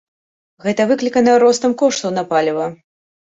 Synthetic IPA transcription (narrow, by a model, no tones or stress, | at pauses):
ɣɛt̪ɐvɨklʲikɐnɐjɾɔst̪ɐmkɔʂt̪ɐwnɐpalʲivɐ